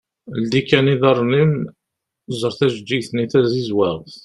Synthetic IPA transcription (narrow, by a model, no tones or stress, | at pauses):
ld̪ikːæniðɑrˤːnim | zˤəɾˤθæʒəd͡ʒːijθniθæzizwæʁθ